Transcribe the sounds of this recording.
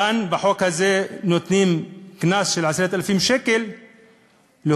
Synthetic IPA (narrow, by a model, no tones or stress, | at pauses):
anbaħokhazenot̪niːmknaːsʃɪlʕasɾeːt̪ʔalfiːmʃeːkɪl | lɪ